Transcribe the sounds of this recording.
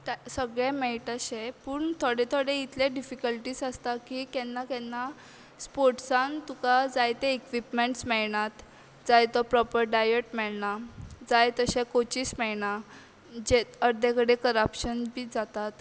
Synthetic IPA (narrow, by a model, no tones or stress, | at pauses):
səɡɭemɛɭʈəɕepuːɳt̪ʰoɽet̪ʰoɽẽit̪leɖifikəlʈiːsəst̪akikɛnːakɛ̃nːa | spoɾʈsãnt̪ukad͡zajt̪eekʋipmeɳʈsmɛɭɳat̪ | d͡zajt̪ɔpɾɔpəɾɖajəʈmɛɭnad͡zajt̪əɕɛ̃kot͡ɕiːsmɛɭɳa | d͡ʑeəɾd̪ekəɽekəɾəpɕənbiːd͡zat̪at̪